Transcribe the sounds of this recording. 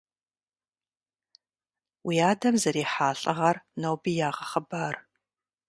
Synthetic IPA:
wiːaːdɐmzɐɾiːħaːɬʼɐʁɐrnowbijaːʁɐχəbaːr

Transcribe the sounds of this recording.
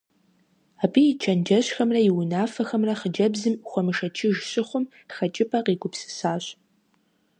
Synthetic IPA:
aːbʰijɪt͡ʃʰɐnd͡ʒɐɕxɐmrɐjɪwʊnaːfɐxɐmrɐχəd͡ʒɐbzɨmxʷɔmɨʂɐt͡ʃʰɪʒɕɪχʷʊm | xɐt͡ʃʼɪpʰʼɐqiːɡʷʼʊpsɨ̥saːɕ

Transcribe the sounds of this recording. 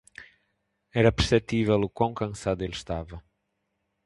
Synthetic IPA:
ɛɾɐpɨɾsɛt̪ivɛlˠukwɐ̃w̃kɐ̃saðuelˠʃt̪avɐ

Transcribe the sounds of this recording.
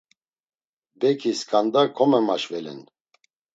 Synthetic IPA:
bɛkʰiskʰʼand̪akʰɔmɛmaʃvɛlɛ̰n

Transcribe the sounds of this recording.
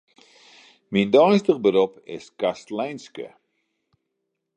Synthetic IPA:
mindɔjstəχbəɾopɪ̰skastlɛjnskə̰

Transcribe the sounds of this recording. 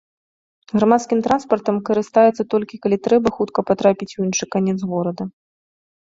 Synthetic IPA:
ɣɾamat̪skʲimt̪ɾanspɐrt̪ɐmkɐɾɨst̪ajɛt̪sːɐt̪ɔlʲkʲikalʲit̪ɾɛbɐxut̪kɐpat̪ɾapʲit͡sʲujinʂɨkanʲɛt̪zɣɔɾɐd̪ɐ

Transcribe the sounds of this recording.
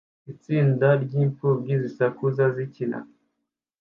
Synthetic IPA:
it͡siːndaɾɟiːɱfubɡizisakuzazicina̰

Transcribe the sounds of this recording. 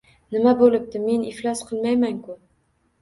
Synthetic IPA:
nɘ̆mæbolɘp̚t̪ɘmeniflæsqʰəlmæjmæŋkʊ

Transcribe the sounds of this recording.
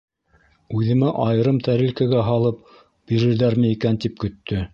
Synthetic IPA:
ʉðɘ̆mæʔɑjɤ̆ɾɤmt̪æɾɘ̆lkæɡæɦɑlˠɤp̚ | b̥iɾɘ̆ɾðæɾmɘikænt̪ip̚kɵ̆t̪ːɵ

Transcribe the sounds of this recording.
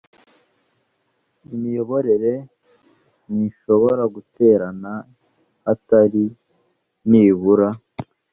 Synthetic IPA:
imijoβo̞ɾe̞ɾe̞ | niʃo̞βo̞ɾaɡute̞ːɾana | hataɾi | niːβuɾa

